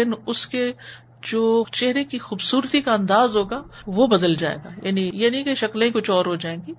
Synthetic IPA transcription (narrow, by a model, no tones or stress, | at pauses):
ɪnʊske | d͡ʒoːt͡ʃɛɦɾekixuːbsuːɾt̪ikaɐ̃nd̪aːzɦoːɡaː | ʋobɐd̪əld͡ʒa̰ːḛːɡa̰ːja̰ːnijenɐɦĩkeʃɐkl̃ĩkʊt͡ʃʰɔːɾɦod͡ʒaːẽːɡiː